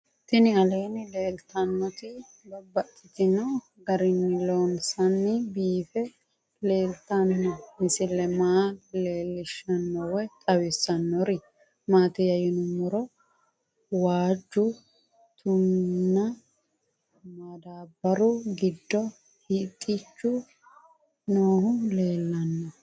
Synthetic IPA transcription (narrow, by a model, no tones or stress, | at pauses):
t̪ɪnɪɐle̞ːnɪle̞ːlt̪ɐnːɔt̪ɪ | bɐbɐt̪ʼːɪt̪ɪnɐ | ɡɐɾɪnːɪloːnsɐnːɪbiːfɛ | le̞ːlt̪ɐnːɔmɪsɪlːɛmaːle̞ːlːɪʃɐnːɔwɛt̪ʼɐwɪsːɐnːɔɾɪ | maːt̪ɪjɐjɪnʊmʊɾɔ | waːd͡ʒːʊ | t̪ʊnːɐ | maːd̪aːbːɐɾʊɡɪd̪ːɔ | hɪt̪ʼːɪt͡ʃːʊ | noːhʊnle̞ːlːɐnːɔ